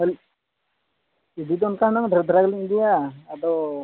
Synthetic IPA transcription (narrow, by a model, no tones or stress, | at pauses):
əl | id̪id̪ɔnkaɦnɔŋd̪ʱəɾd̪ʱɾaɡliŋd̪ijaːd̪ɔ